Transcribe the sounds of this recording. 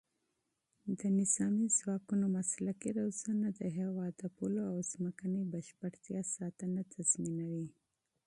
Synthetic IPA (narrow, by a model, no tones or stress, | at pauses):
d̪ənɪzɑmizwɑːkunomaslakiɾawzanad̪əɦewɑd̪apuloawzməkanibəʃpəɽt̪jɑsɑːt̪ənat̪ʰazminawi